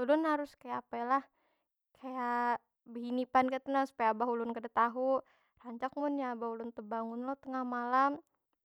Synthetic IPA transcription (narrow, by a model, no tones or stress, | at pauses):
ulʊnɦaɾʊskajaːpalah | kʰaja | bəɦinipankat̪ənasu̥pajaːbaɦulʊnkədat̪aɦu | raɲt͡ʃak̚mʊnjaːbahulʊnt̪əbaŋʊnlɔht̪əŋahmalam